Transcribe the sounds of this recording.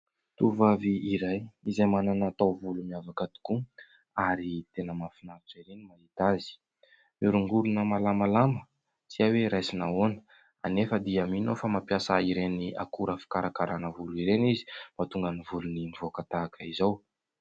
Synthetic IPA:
t̪uvaviiɾajizajmananat̪awvulumiavakad̪i̥ku | aɾit̪enəmafinaɾiʈ͡ʂaiɾenimait̪azi̥ | miɾuŋɡuɾunəmalamalamə | t͡siaweɾajsinaonə̥ | a̰nefəd̪iaminofamapjasaiɾenia̰kuɾəfi̥kaɾakaɾanəvuluiɾenizi̥mat̪uŋɡənivulunimivoakat̪aːkʰəizaw

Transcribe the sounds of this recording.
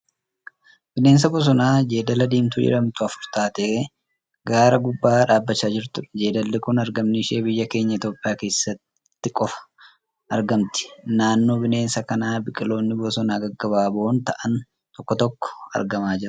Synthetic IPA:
b̥ɪne̞ːns̬ɐbɔs̬ɔnaːd͡ʒe̞ːd̪ɐlɐd̪iːmt̪ʊd͡ʒɪ̰ɾɐmt̪ʊɐfʊɾt̪aːt̪eː | ɡaːɾɐɡʊbːaːᶑaːbːɐt͡ʃːaːd͡ʒɪɾt̪ʊᶑɐd͡ʒe̞ːd̪ɐlːɪkʊnɐɾɡɐmnɪʃe̞ːbɪjːɐke̞ːɲːɐɪt̪o̞ːpʼːɪjaːke̞ːsːɐt̪ː | ɪkʼɔfɐ̥ | ɐɾɡɐmt̪ɪ̥naːnːoːbɪne̞ːnsɐkɐnaːbɪkʼɪlo̞ːnːɪbɔsɔnaːɡɐɡːɐbaːboːnt̪ɐʔɐn | t̪ɔkːɔt̪ɔkːɔ̥ɐ̰ɾɡɐmaːd͡ʒɪɾɐ

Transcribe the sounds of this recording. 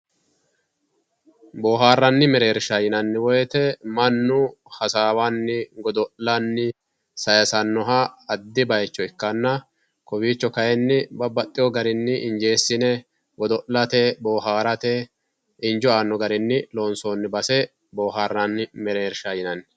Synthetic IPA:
boːɦaːrːɐnːɪmɛɾeːɾʃɐjɪnɐnːɪwɔjɛt̪ɛmɐnːʊ | hɐsaːwanːɪɡɔd̪ɔʔlɐnːɪ | sɐjɐsɐnːɔɦɐɐd̪ːɪbɐjɛt͡ʃːɔɪkːɐnːɐ | kɔbiːt͡ʃːɔkɐjɛnːɪbɐbɐt̪ʼːɪjɔɡɐɾɪnːɪʔɪnd͡ʒe̞ːsːɪnɛ | ɡɔd̪ɔʔlɐt̪ɛboːɦaːɾɐt̪ɛ | ɪnd͡ʒɔaːnːɔɡɐɾɪnːɪlo̞ːnsoːnːɪbɐsɛ | boːɦaːrːɐnːɪmɛɾeːɾʃajɪnɐnːɪ

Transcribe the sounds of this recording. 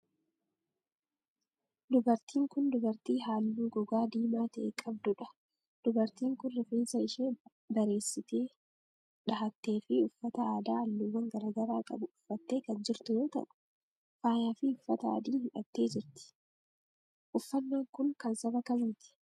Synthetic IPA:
d̪ʊbɐɾt̪iːŋkʊnd̪ʊbɐɾt̪iːɦaːlːuːɡɔɡaːd̪iːmaːt̪ɐʔeːkʼɐb̚d̪ʊᶑɐ̥ | d̪̥ʊbɐɾt̪iːŋkʊnːɛfeːnsɐɪʃeː | bɐɾe̞ːsːɪt̪e̞ː | ᶑɐɦɐt̪ːe̞ːfɪʊfːɐt̪ɐaːd̪aːɐlːuwɐŋɡɐɾaːɡɐɾaːkʼɐ̰bʊʊfːɐt̪ːe̞ːkɐnd͡ʒɪɾt̪ʊjoːt̪ɐ̰ʔʊ̥ | faːjaːfɪʊfːɐt̪ɐa̰ːd̪iːhɪᶑɐ̰t̪ːe̞ːd͡ʒɪɾt̪ɪ̥ | ʔʊfːɐnːaːŋkʊŋkɐnsɐbɐkɐnɪt̪ɪ̥

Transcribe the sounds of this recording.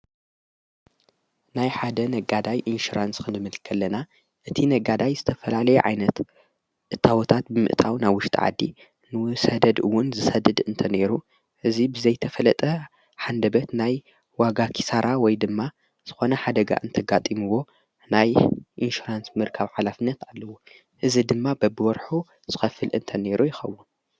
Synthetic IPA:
najħad̪ɐnɐɡad̪ajʔinʃuɾanskʰɨnzɨmɨlkʰːɐlːɐna | ʔɨt̪ʰinɐɡad̪ajzɨt̪ʰɐfɐlalɐjɛʕa̰jnɐt̪ | ʔɨt̪ʰːawɔt̪ʰat̪̚bɨmɨ̰ʔt̪ʰawnaβwʊʃt̪ʼḭʕa̰d̪ːi | nɨsɐd̪ɐd̪ɨwːʊnzɨsɐd̪ɨd̪ɨnt̪ʰɐne̞ɾu | ʔɨzibɨzɐjt̪ʰɐfɐlɐt̪ʼɐ | ħand̪ɐbɐt̪naj | waɡakʰi̥saɾʔawɔjd̪ɨmːa | z̥ɨxo̞nɐħad̪ɐɡa̰ʔɨnt̪ʰɐɡat̪ʼimɨwo̞ | najʔinʃuɾansmɨɾkʰɐβʕalafɨnːɐt̪alːɐwu | ʔɨzid̪ɨmːabɐbɨwɔɾħu | z̥ɨxɐfɨlʔɨ̰nt̪ʰɐne̞ɾujɪxɐ̰wːun

